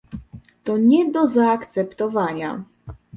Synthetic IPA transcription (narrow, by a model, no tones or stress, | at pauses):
t̪ɔɲɛd̪ɔzaːkt̪sɛpt̪ɔvaɲa̰